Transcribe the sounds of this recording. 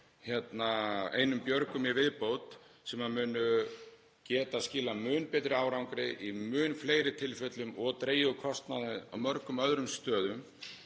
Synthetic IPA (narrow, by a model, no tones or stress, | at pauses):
çjɛt̪naḛːjnʏmpjœɾkʏmjɛvɪðpowt̪ | sɛmaðmʏːnʏ | cɛːt̪ascɪːlamʏːnpɛt̪ɾɪaːwɾawŋkɾɪʔimʏːnfleːjɾɪt̪ʰɪlfɛt̪lʏmɔɣt̪ɾeːjʏkʰɔst̪naðɪa̰wmœɾkʏmœðɾʏmst̪œːðʏm